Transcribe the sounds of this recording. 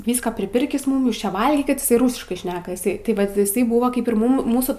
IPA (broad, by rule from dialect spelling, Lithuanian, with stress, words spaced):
ˈʋʲiːskɐ pʲrʲɪˈpʲɪrʲkʲɪs ˈmʊm ˈjuːs ˈt͡ʃʲɛ ˈʋɐlʲɡʲiːkʲɪt ɪˈsɐɪ ˈruːsʲɪʃkɐɪ ˈʃʲnʲæːkɐ ɪˈsɐɪ tʲɪ ˈʋɐt ɪˈsɐɪ ˈbuːʋɐ ˈkɐɪp ɪr ˈmuːm ˈmuːsuː